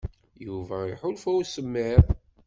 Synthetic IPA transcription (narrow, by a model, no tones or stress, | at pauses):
juvæiħʊlfæwsəmːeð